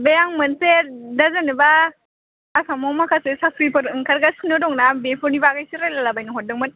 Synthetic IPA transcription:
bejaŋmɯnsedazɯnɯbaː | samɔmakʰasesapʰɾipɔɾɯŋkʰaɾɡaskʰɯnɔdɔŋnabepʰɔnibaɡajsiɾalalabajnɯŋɦɔt̚dɯŋmɯn

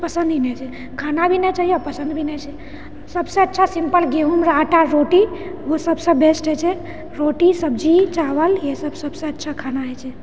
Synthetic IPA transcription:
pəsə̃nd̪ʱinɛt͡ʃʰɛ | kʰanabʱinɛt͡ʃaɦijɔpəsə̃nd̪bʱinɛt͡ʃʰɛ | səbsə̃ətːʃʰasimpəlɡeɦumɾaʈaɾoʈiʋosəbsə̃besʈɦɛt͡ʃʰɛ | ɾoʈisəbd͡ʒit͡ʃaʋəljesəbsəbsə̃ətːʃʰakʰanaɦɛt͡ʃʰɛ

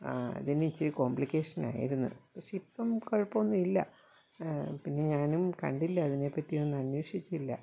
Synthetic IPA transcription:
ɐ̰ðinit͡ɕːiko̞ːmplike̞ːʂɐna̰ːjḭɾunːṵɐpːoɕipːɐmkɐɻpːɐonːumilːɐ̰ | pinːe̞ɲaːnumkɐ̰ɳɖilːɐːðine̞pːɐtːijo̞nːɨɐnjeːʂit͡ɕːilːɐ̰

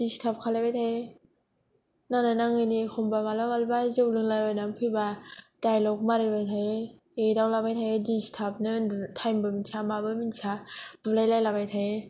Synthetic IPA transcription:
d̥istʰap̚kʰalajbajtʰae | nananaŋɯjnixʰɔmbamalamalbazɯwlɯŋlajanampʰɯjbad̥ajlɔk̚maɾɯbajtʰaje | edawlabajtʰajedistʰap̚nɯtʰajmbɯminsʰamabɯminsʰabulajlajlabajtʰae

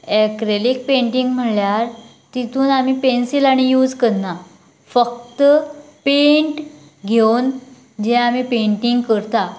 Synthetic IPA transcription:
ekɾelik̚pẽɳʈiŋɡm̤əljaɾ | t̪it̪uːnamipensilaɽ̃ijuːd͡zkəɾna | fək̚t̪əpẽɳʈ | ɡʱewn | d͡ʑeamipeɳʈiŋɡkəɾt̪a

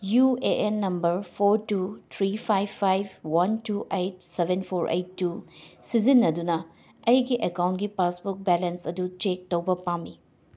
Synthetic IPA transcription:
jueʔenːɐmbɐɾpʰoɾtut̪ʰɾipʰajbpʰːajb̚wɐntuʔejt̚sebʱenpʰoɾʔḛjtːusizinːɐdunɐ | ɐjɡiʔekawntɡipasbuk̚belensɐdutɾek̚towbɐpamːi

